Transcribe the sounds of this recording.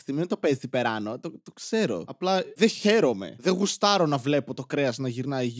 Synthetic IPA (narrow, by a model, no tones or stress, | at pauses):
θiment̪opezipe̞ɾɐnot̪ot̪okse̞ɾo̞̰ɐplɐðeçe̞ɾo̞me̞̰ðeɣust̪ɐɾo̞nɐvle̞po̞t̪okɾeɐznɐʝiɾnɐi